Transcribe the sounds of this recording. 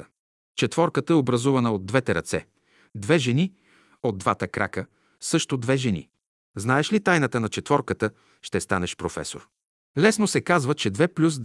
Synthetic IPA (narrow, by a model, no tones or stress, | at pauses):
t͡ʃɛt̪vɔɾkət̪əɛobɾɐzuvɐnəod̪̚ːvɛt̪ɛɾɐt̪sɛ̰ | d̪vɛʒɛni | od̪̚ːvat̪əkɾʔa̰kə | sɤʃt̪od̪vɛʒɛnḭ | znaɛʃlit̪ajnət̪ənɐt͡ʃɛt̪vɔɾkət̪ə | ʃt̪ɛst̪anɛʃpɾofɛ̰so̰ɾ | lɛsnosɛkazvət͡ʃɛd̪vɛplʲus